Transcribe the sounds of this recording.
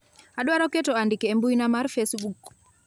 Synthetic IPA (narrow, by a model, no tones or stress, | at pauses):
aɗwaɾɔkɛtɔandikɛːmbuinamaɾfesbuk